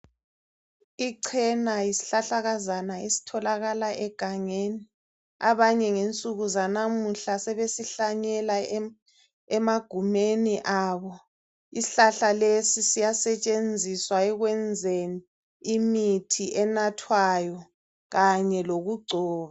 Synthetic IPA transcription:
iǀʰɛnajisi̥ɬaɬaɣazanaesi̥tʰɔlaɣalaʔɛɡ̥ʱaŋeːni | aβaɲɛŋent͡sʼuɣuzanamuɬasɛβesiɬaɲɛla | ɛmaɡ̥ʱumeniʔaːβɔ | isiɬaɬalesisijasɛt͡ʃʼend͡zʱiswaɛɣwɛnd͡zʱeni | imitʰiʔɛnatʰwajɔ | ɣaɲɛloɣuɡ͡ǀʱɔːβa

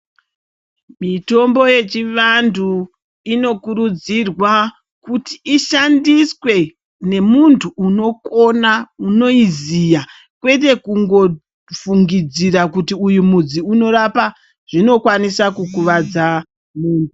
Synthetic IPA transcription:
mito̞mbo̞je̞t͡ʃiʋandu | ino̞kuɾud͡zirwa | kuti̥ːʃandiswe̞ | ne̞muntʰuːno̞ko̞nauno̞izija | kwe̞t̬e̞kuŋɡo̞ | fuŋɡid͡zirakutiujumud͡ziuno̞ɾapa | ʐ̥ino̞kwanisakukuʋad͡za | muːndu

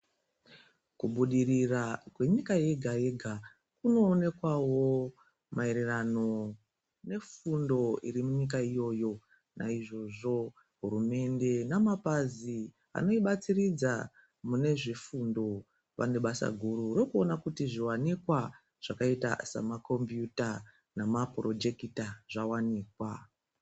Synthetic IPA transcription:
kuɓuɗirirakwe̞ɲikaje̞ɡʱaje̞ɡʱa | kuno̞ːne̞kwawo̞ | maeɾerano̞ | ne̞fundo̞iɾimuɲik̬aijo̞ːjo̞ | nʔa̰iʐo̞ʐo̞ | ɦuɾume̞nde̞namapazi | a̰no̞iɓat͡sirid͡za | mune̞ʐifundo̞ | ʋa̰neɓasa̰ɡʱuɾuɾokuonakutiʐiwanikwa | ʐ̥akaita̰sa̰mako̞mbjuta | namapro̞d͡ʒe̞kitaʐawaniːkwa

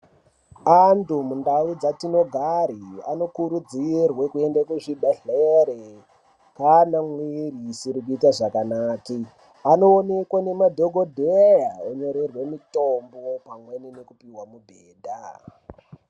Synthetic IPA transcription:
antumundaud͡zatino̞ɡʱaɾia̰no̞kuɾud͡zirwekue̞ndakuʐiɓaɬeɾe | kanamwirisiɾikuitaʐakanaːki | ano̞ːne̞kwane̞madʱoɡʱodʱejaoɲo̞ɾerwe̞mitombopamwe̞ninekupiwamubʱeːdʱa

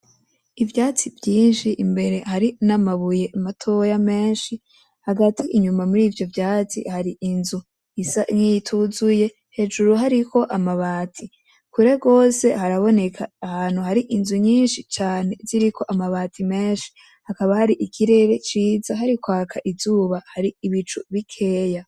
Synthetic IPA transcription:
ivjaːt͡sivjiːnʃiʔimbe̞ɾe̞haɾinamaβuje̞ʔːmatʰo̞jame̞ːnʃi | haɡatʰiʔiɲumamuɾiːvjo̞vjaːt͡sḭhaɾiʔinzu | isaŋiitʰuzuje̞ | he̞d͡ʒuɾuɦaɾiko̞ʔamaβaːtʰi | kuɾe̞ɡo̞ːse̞haɾaβo̞ne̞kʰaːhaːn̥huhaɾiʔinzuɲiːnʃit͡ʃaːne̞ziɾikʰo̞ʔamaβaːtʰime̞ːnʃi̥ | hakaβahaɾiʔikʰiɾe̞ɾe̞t͡ʃiːzaɦaɾikwaːkʰaʔizuːβahaɾiiβit͡ʃuβikʰe̞ːja

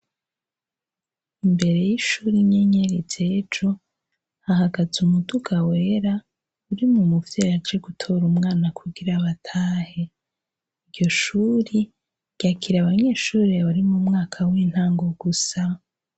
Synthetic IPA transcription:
imbe̞ɾe̞jiʃuːɾiɲeɲeɾid͡ʒed͡ʒo̞ | hahaɡazumuduɡawe̞ɾa | uɾimumuvjeɾat͡ʃe̞ɡutʰo̞ɾumŋaːnakʰuɡiɾaβatʰaːhe̞ | ivɟo̞ʃuɾi | ɟ̥akʰiɾaβaɲe̞ːʃuːɾeβaɾimumŋaːkʰawiːn̥haːŋɡo̞ɡusa

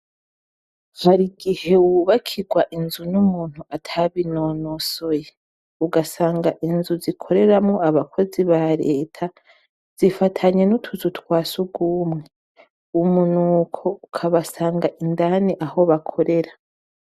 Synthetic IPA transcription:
haɾiɡihe̞wuβakʰiɡwaʔinzunumuːn̥huatʰaβinonoso̞je | uɡasaːŋɡaʔinzuzikʰo̞ɾe̞ɾamŋo̞aβakʰo̞ziβaɾeːtʰa | z̥ifatʰaɲe̞nutʰuzutwaːsuɡuːmŋe | umunuːkʰo̞ukʰaβasaːŋɡaʔindaniʔaɦo̞βakʰo̞ɾe̞ɾa

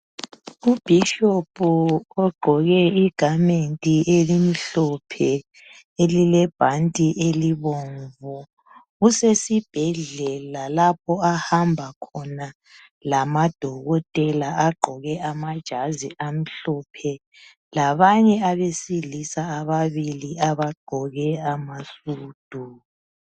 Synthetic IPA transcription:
ub̥ʱiʃɔpʰʼuɔɡ͡ǃʱɔɣɛiɡ̥ʱamentʼiʔelimiɬɔpʰɛ | elilɛb̥ʱantʼiʔeliβɔɱvɔ | usesib̥ʱɛɮɛlalapʰɔahambʱakʰɔna | lamad̥ʱɔɣɔtʼɛlaaɡ͡ǃʱɔɣɛʔamad̥ʒ̥ʱaziam̩ɬɔpʰɛ | laβaɲɛaβesilisaːβaβiliaβaɡ͡ǃʱɔɣɛamasuːd̥ʱu

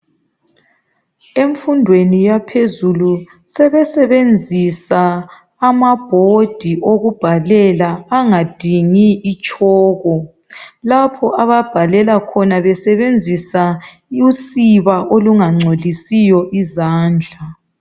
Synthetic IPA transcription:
eɱfundʱwenijapʰezulu | sɛβɛsɛβend͡zʱisaː | mab̥ʱod̥ʱiʔoɣub̥ʱalɛlaːŋad̥ʱiŋiːt͡ʃʼɔːɣɔ | lapʰɔʔaβab̥ʱalɛlakʰɔnaβɛsɛβend͡zʱisa | usiβaʔoluŋaŋ͡ǀʱolisijɔʔizaːnd͡ɮʱa

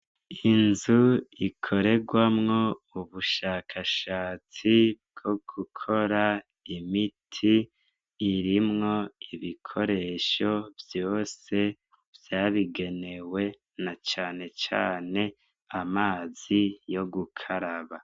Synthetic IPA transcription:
inzuikʰo̞ɾe̞ɡwamŋo̞uβuʃaːkʰaʃaːt͡sibɡ̥o̞ɡ̥ukʰo̞ɾa | imitʰiː | ɾimŋo̞iβikʰo̞ɾe̞ʃo̞vjoːse̞ | v̥jaːβiɡe̞ne̞we̞ | nat͡ʃaːne̞t͡ʃa̰ːne̞ | amaːz̥ijo̞ɡukʰaɾaβa

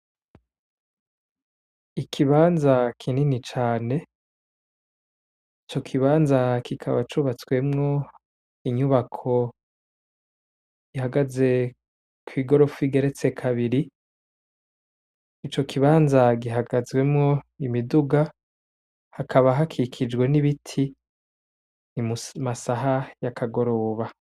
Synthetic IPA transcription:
ikʰiβaːnzakʰininit͡ʃaːne̞ | it͡ʃo̞kʰiβaːnzakikʰaβat͡ʃuβat͡swe̞mŋo̞ | iɲuβakʰo̞ | ɡ̥ihaɡaze̞ | kwiːɡo̞ɾo̞fiɡe̞ɾe̞t͡se̞kʰaβiɾi | t͡ʃo̞kʰiβaːnzaɡiɦaɡazɡwe̞mŋo̞imiduɡa | hakʰaβaɦakʰikʰid͡ʒɡwe̞niβitʰi | nimumasaɦajakʰaɡo̞ɾo̞ːβa

